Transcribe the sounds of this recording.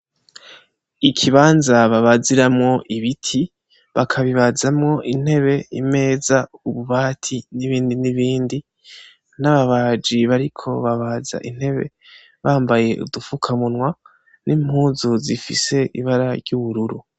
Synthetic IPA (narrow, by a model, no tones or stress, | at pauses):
ikʰiβaːnzaβaβaziɾamŋo̞ʔiβitʰi | βakʰaβiβazamŋo̞ʔin̥he̞βe̞ime̞ːzauβuβaːtʰiniβiːndiniβiːndi | naβaβad͡ʒiβaɾikʰo̞βaβaza̰ʔin̥he̞βe̞̰ | βaːmbaje̞ʔṵdufukʰamunŋwa | nʔim̥huːzuzifḭse̞ʔiβaɾaɾjɟuβuɾuɾu